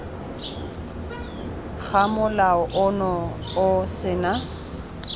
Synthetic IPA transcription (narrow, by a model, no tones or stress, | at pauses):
ɣamʊlaʊʔʊnɔʊsɪːna